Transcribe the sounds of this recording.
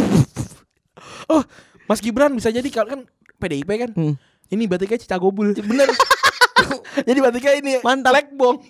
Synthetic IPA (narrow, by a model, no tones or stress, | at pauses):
ɔh | masɡibəɾanbisad͡ʒadikalokan | pedeipɛkan | inibat̪̬ikat͡ʃi̥t͡ʃaɡobʊlbənər | d͡ʒadibat̪ikainimant̪alɛk̚bɔŋ